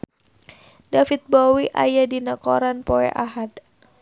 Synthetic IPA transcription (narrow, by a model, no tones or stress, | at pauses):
dafit̪̚bowiʔa̰jadinakɔɾanpoɛ̰ʔaɦad̪